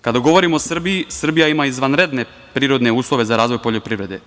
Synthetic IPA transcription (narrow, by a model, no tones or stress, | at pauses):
kad̪aɡo̞ʋo̞ɾimoːsr̩bijisr̩bijaimaizʋanɾe̞d̪ne̞ | pɾiːɾo̞d̪ne̞uːslˠo̞ʋe̞zaɾaːzʋo̞jpo̞ʎopɾiʋɾe̞d̪e